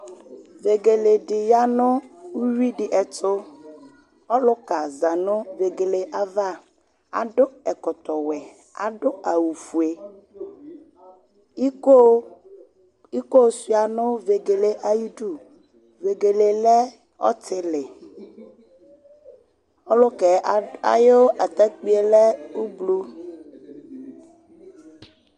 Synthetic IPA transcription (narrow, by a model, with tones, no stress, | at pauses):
ve˨ɡe˨le˨dɪ˨ja˦nʊ˦u˦ɾi˦ɖɪ˨ʔɛ˨tʰʊ˦ | ɔ˦lʊ˦ka˨za˨nʊ˦ve˨ɡe˨le˨ʔa˦va˦˨ | a̰˨ɖʊ˦ɛ˨kɔ˨t̪ɔ˨wɛ˨ | a̰˨dʊ˦a˨wu˨fu˨e˨˦ | o˦ | i˦ko˦si˦a˨nõ˦ve˨ɡe˨le˨ʔa˨ji˦ɖu˦˨ | ve˨ɡe˨le˨lɛ˦ | ɔ̰˦t̪e˨le˨ | o˦lo˦kɛ˨a̰˨jo˦a˨t̪ɛ˦k͡pi˦e˨lɛ˦wu˦blu˦